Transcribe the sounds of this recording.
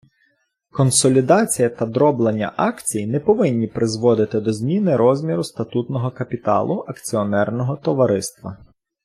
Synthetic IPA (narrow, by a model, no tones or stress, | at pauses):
kɔnsɔlʲid̪ɑt͡sʲijɐt̪ɐd̪ɾɔblˠenʲːɐ̰ʔɑkt͡sʲijnɛpɔʋɪnʲːipɾʔɪzʋɔd̪ɪt̪ɪd̪ɔzʲmʲinɪɾɔzʲmʲiɾʊst̪ɐt̪ut̪nɔɦɔkɐpʲit̪ɑ̰lˠʊʔɐkt͡sʲiɔnɛrnɔɦɔt̪ɔʋɐɾɪst̪ʋɐ